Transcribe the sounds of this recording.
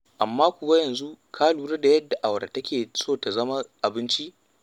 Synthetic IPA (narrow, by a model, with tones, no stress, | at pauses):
ʔa˨mːaː˦kʷʊ˨wa˦jɐ˨nzu˦kʰaː˦luː˨ɾɐ˦da˨jɐ˦dːa˨ʔa˨wɽa̰˨tɐ˦kʲeː˨soː˦ta˨zɐ˦ma˦ʔa˨bɪ˦nt͡ʃi˦ʔ